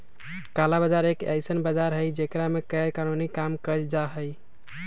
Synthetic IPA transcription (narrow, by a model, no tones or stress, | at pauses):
kalabəd͡ʒaɾekɛ̰jsənbad͡ʒaɾɦəjd͡ʒekɾamekəjɾkanunikamkəd͡ʒaɦəj